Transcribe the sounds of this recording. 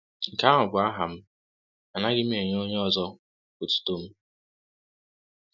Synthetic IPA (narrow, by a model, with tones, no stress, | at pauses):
ŋ̩˨ka˦ɦɔ˨ɡʷʊ˨a˦ɦa˨m̩˦ | a˨na˦ɡɪ˦m̩˦e˨ɲ˦o˦ɲ˦ɔ˦zɔ˦ | ko˨tu̥˦to˦m̩˦